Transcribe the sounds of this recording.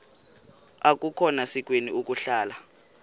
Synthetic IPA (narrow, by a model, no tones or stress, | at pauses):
ak̬ʼukʰɔnasik̬ʼweniuk̬ʼuɬaːla